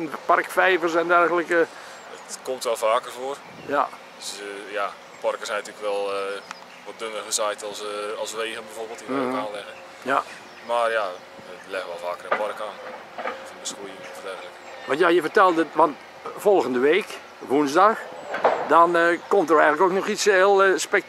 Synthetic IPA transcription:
npɑrkfɛjvərsɛndɛrɣələkə | ətkomtʋɛlˠfaːkərvoər | ja̰ | sja | pɔrkəsɛjnatyləkʋɛlˠ | ʋɔt̚dønərɣəsajtɔlˠsɑlˠsʋeːɣənbɛjvoːrbɪːlˠtiaːnlɛɣə | ja | marja | əlɛɣəʋɛlˠfaːkərənpɔrkaːn | fəbəskujənitədɛrɣələk | ʋɑ̃ntjajəfərtɛlˠdəʋɑnt | fɔlˠɣəndəʋeːk | ʋunzdɑxdɔnkɔmtərɛjɣŋləkoknɔxiselˠspɛk̚

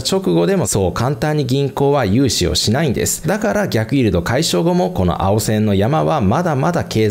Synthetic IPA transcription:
t͡ɕo̞kɯ̟ɡo̞d̪e̞mo̞so̞ːkãnt̪ãɲ̟ːiɡʲĩŋko̞ːβajɯ̟ːɕio̰ɕinaĩnd̪e̞̰sɨ̥d̪akaɾaɡʲakɯ̟iɾɯ̟t̪o̞kaiɕo̞ːɡo̞mo̞ko̞no̞̰ʔa̰o̞sẽ̞nːo̞jamaβamad̪amad̪ake̞ː

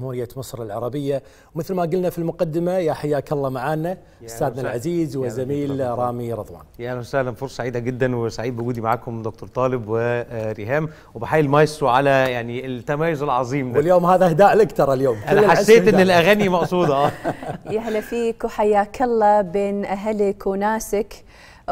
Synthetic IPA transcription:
mhuːɾɪjːamɨsˤɾˤɪlʕɑ̰ɾˤɑbɪjːa | wmɪθlmaɡʊlnafilmʊqad̪ːɪmajaħajːaːkɑlˤːɑmaʕaːnːa | ʔɪsːaːd̪nalʕaziːzwɪzːamiːlɾˤɑːmiɾˤɑðˤwɑ̰ːnjaʔænsahlanfoɾˤsˤsaʕiːd̪aɡɪd̪ːanwɪsaʕiːd̪bɪɡuːd̪imaʕaːkʊmd̪ʊk̚t̪ʊɾˤt̪ˤɑːlɪbwɪɾiɦaːm | wbɪħaːjːilmɑjswʕalæjaʕnit̪ːamaːjʊzɪlʕɑzˤiːmd̪wɪljoːmhaːðahɪd̪aːʔlʔakt̪ɑɾˤɪljoːmʔnalːalħasːeːʔɪnːɪlʔæɣænimɑʔsˤuːd̪ʔaːjahlafiːkuħajːaːkʰalːabeːnʔaɦalɪkwɪnaːsɪk

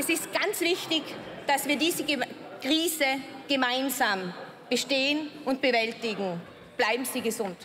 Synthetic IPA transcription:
ʔɛsɪst̚ɡ̥ant͡sv̥ɪçtɪç | d̥asv̥iːɐdiːzəɡ | kʁ̥iːzəɡ̥əmaɪnzaːm | b̥əʃteːənʔʊnt̚b̥əvɛltɪɡŋ̩ | b̥laɪbm̩z̥iːɡəzʊnt

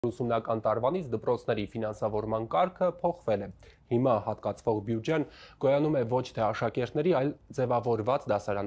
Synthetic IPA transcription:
usumnɑkɑnt̪ɑɾvɑn̪it͡sʰd̪əpɾɔt͡sʰnɛɾifinɑnsɑvɔɾmɑnkɑɾkʰəpʰɔχvɛlɛhimɑhɑt̪kɑt͡sʰvɔʁbjud͡ʒɛnkɔjɑnumɛvɔt͡ʃʰt̪ʰɛɑʃɑkɛɾt̪nɛɾiɑjld͡zɛvɑvɔɾvɑt͡sd̪ɑsɑɾɑn

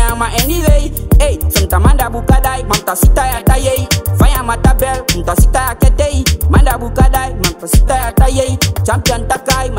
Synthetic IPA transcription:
amaʔeniɾeiejsənt̪amandabukadaimant̪asit̪ajat̪ajeifajamat̪abɛlunt̪asit̪ajakɛt̪eimandabukadaimant̪asit̪ajat̪ajeit͡ʃampiant̪akaim

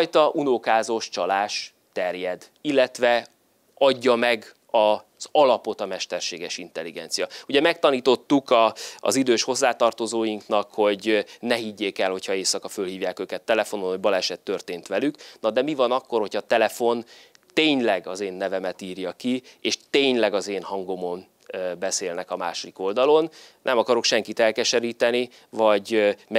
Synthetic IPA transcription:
jt̪ɒʔunokaːzo̞ʃt͡ʃɒlaːʃ | t̪ɛrjɛd̪ | ilːɛt̪ʋɛ | ɒɟːɒmɛɡ | ɒz̥ɒlɒpo̞t̪ɒmɛʃt̪ɛrʃeːɡɛʃin̪t̪ɛlːiɡɛ̰n̪t̪sijɒuɟɛmɛk̚t̪ɒniːt̪o̞t̪ːukɒ̰ːzid̪øːʃho̞zːaːt̪ɒrt̪o̞zoːjiŋknɒkho̞ɟnɛɦiɟːeːkɛlho̞cʰhɒeːsɒkɒfø̞lɦiːvjaːkøːkɛt̪ːɛlɛfo̞nonhoɟbɒlɛʃɛt̪ːø̞rt̪eːnt̪ʋɛlyknɒd̪ɛmivɒnɒkːo̞rho̞chɒt̪ɛlɛfo̞n | t̪eːɲlɛɡɒzeːnːɛvɛmɛt̪iːrjɒkieːʃt̪eːɲlɛɡɒzeːnɦɒŋɡo̞mo̞n | bɛseːlnɛkɒma̰ːʃo̞d̪iko̞ld̪ɒlo̞nnʔɛmɒkɒɾo̞kʃɛŋkit̪ɛlkɛʃɛɾiːt̪ɛni | vɒɟmɛ

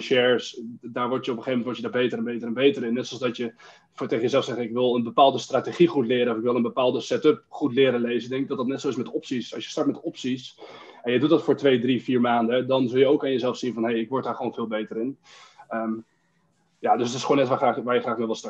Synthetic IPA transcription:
ʃɛɹsdaːɹʋɔɹtjəɔpəχejvmɛntʋɔɹtjədɔːɹbejtərɾɛnbejtərɛnbejtəɾɪnːɛtsɔlˠsdɑtjə | ftejχəjəzɛlˠfsɛχəɪkʋɪlˠənbəpaːlˠdəstrateχiχutlɪːɾənɔfɪkʋɪlˠənbəpaːlˠdəsɛtɵp̚χutlɪːɾənlejzədɛ̃ŋkɪɡ̚dɑtdɑtnɛtsowɪsmɛtɔpsisɑ̰sjə̥stɑɹtmɛtɔpsis | ɛnjədutdɑtfʊːɹtʋejdrifiːɹmaːndədɑnzɵlˠjəowkaːnjəzɛlˠfsinvɑnɦejɪkʋɔɹt̚daːɹχəʋonvɪːlˠbejtəɾɪn | əm | jadøsətɪsχownɛtʋaχraːχʋaːɹjəχraːχmeʋɪlˠstɑt

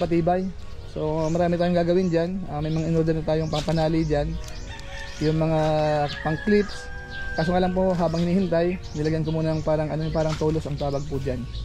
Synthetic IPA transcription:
pɐt̪iːbaj | so̞mɐɾaːmɪt̪aːjoŋɡaːɡɐwɪnd͡ʒanɐːmɐjmɐŋaʔɪnoɾd̪ɛnɐt̪aːjoŋpɐŋpɐnaːlid͡ʒan | jʊŋmɐŋapɐŋklɪps | kas̬oŋʔɐlɐmpoɦaːbɐŋhɪniːhɪnt̪ajnɪlɐɡankɐmuːnɐŋpaːɾɐŋɐnopaːɾɐŋt̪oːlosɐŋt̪aːbɐɡ̚pʊd͡ʒan

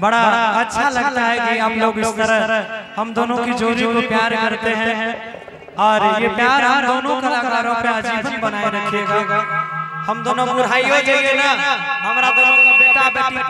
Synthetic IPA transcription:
bɐɽaɐtːʃʰalɐɡt̪aɦɛkiaploːɡloɡəɾəɾɦɐmd̪oːnõkid͡ʒoːd͡ʒikopjeaːɾkɐɾt̪eɦɛ̃ɦ | ɔːɾjepjeːaːɾɦɐd̪oːnõkɐlakaːɾõpeɐd͡ʒiːbʱɐnbɐnaːeɾɐekʰieːɡaahɐmd̪oːnõpʊɾ̤aːiɦod͡ʒeɡenaɦɐmɾabɐɾõbeːʈabɪ

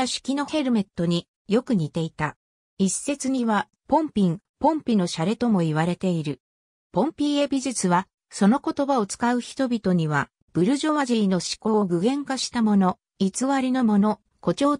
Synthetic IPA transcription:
aɕi̥kʲino̞he̞ɾɯ̟me̞t̪ːo̞ɲ̟i | jo̞kɯ̟ɲ̟it̪e̞it̪a | isːe̞t͡sɨɲ̟iβa | põ̞mpʲĩŋ | põ̞mpʲino̞ɕaɾe̞t̪o̞mo̞iβ̞aɾe̞t̪e̞iɾɯ̟ | põ̞mpʲiːe̞bʲiʑɨt͡sɨβa | so̞no̞ko̞t̪o̞bao̞t͡sɨ̥kaɯ̟çi̥t̪o̞bʲit̪o̞ɲ̟iβ̞a | b̥ɯ̟ɾɯ̟ʑo̞βaʑiino̞ɕi̥ko̞ːɡɯ̟ɡẽ̞ŋkaɕi̥t̪amo̞no̞ | it͡sɨβaɾʲino̞mo̞no̞ | ko̞t͡ɕo̞ː

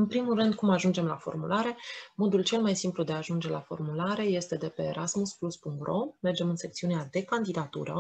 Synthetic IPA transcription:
ɨnpɾimulrɨnd̪̚kumaʒund͡ʒe̞mla̰fo̞̰rmulaɾe̞mo̞d̪ult͡ʃe̞lmajsimplud̪e̞aʒund͡ʒe̞lafo̞̰rmulaɾe̞je̞st̪e̞d̪e̞pe̞ːɾasmuspluspuŋk̚t̪ro̞me̞rd͡ʒe̞mɨnse̞k̚t̪siunead̪e̞kand̪id̪at̪ṵɾə̰

